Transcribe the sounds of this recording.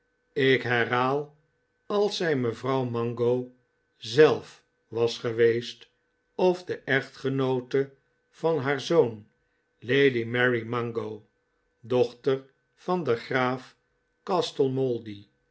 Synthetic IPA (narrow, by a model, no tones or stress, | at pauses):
ɪkɦɛrɦaːlˠ | ɑlˠsɛjməvrɑwmɑŋɡow | zɛlˠf | ʋɑsχəʋejst | ɔvdəʔɛχtχənowtə | v̥ɑnɦaːɹzown | lejdimɛɹimɑŋɡoʊ | dɔχtər | fɑndəχraːf | kɑstəlˠmɔlˠdi